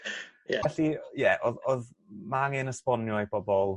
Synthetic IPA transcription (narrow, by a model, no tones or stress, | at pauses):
jɛɛɬijɛʔɔðɔð | maŋenəspɔnjɔjb̥ɔbɔlˠ